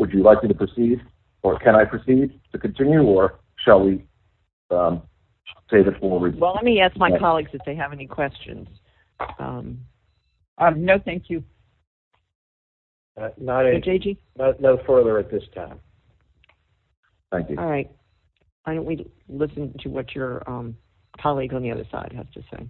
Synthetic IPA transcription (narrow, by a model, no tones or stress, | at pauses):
wəd͡ʒɨlaɪk̚miɾəpʰɹ̥ɨsiɾ | ə˞kʰɨ̃ɾ̃aɪpʰɹ̥ɨsid̚tʰɨkɨ̃n̩tʰɪ̃njʉə˞ | ʃəlˠwi | ʌm | seɪðɨtfɔɹɹiwɛlˠlɛt̚miæsk̚maɪkkʰɑlˠiɡzɨfðeɪɨvɛnikʰw̥ɛst͡ʃɨ̰̃nz̥ | ʔʌ̰̃m | ʔʌnoʊθæ̃ŋkʰjʉ | ʌnəɾʊd͡ʒeɪd͡ʒi | noʊnoʊfɜ˞ðə˞ɨt̪̚ðɪstʰã̰ɪ̃m | θæ̃ŋkjʉ̰ɹaɪt̚ | aɪɾõʊ̃ʔwi | lɪsɨ̃ntʰɨwʌt͡ʃə˞ʌ̃m | kʰɑlˠiɡzə̃nðiʌ̰ðə̰˞sa̰ɪd̚ɦɨ̰z̥tʰɨsḛɪ